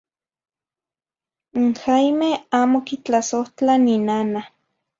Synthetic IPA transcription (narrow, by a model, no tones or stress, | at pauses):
ŋxajmehaːmokit͡ɬasoht͡ɬaninana